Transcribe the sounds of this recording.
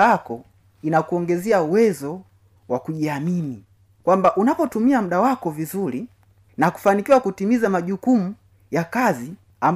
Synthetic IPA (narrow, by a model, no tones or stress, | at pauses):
akɔ | inakuɔŋɡɛzɛauwɛzɔ | wakuʄiamini | kwambaʔunapɔtumiam̩ɗawakɔvizuɾi | naku̥fanikiwakutimizamaʄukumu | jakazi | am